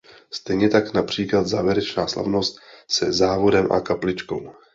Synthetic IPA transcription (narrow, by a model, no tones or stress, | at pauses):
st̪ɛjɲɛt̪aknapr̝̥iːklat̪zaːvjɛɾɛt͡ʃnaːsla̰vno̞st̪sɛzaːvo̞dɛmʔa̰kaplɪt͡ʃko̞̰w